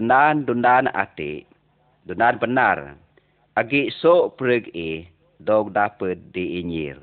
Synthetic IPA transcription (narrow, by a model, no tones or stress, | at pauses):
ənandundana̰t̪ḭʔ | dundanbəna̰r | aɡiʔsoʔpəɾəɡih | dɔk̚dapət̪̚diːɲḭr